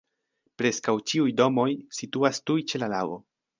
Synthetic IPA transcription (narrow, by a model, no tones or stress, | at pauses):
pɾe̞skawt͡ʃiujdo̞mo̞jsituastujt͡ʃe̞lalavo̞̰